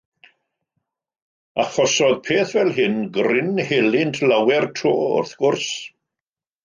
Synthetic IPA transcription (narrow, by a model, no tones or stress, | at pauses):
aχɔsɔðpʰeːθvɛlˠɦɪnɡrɪnhelˠɪntʰlawɛrtʰroːʊ̰rθɡ̥ʊrs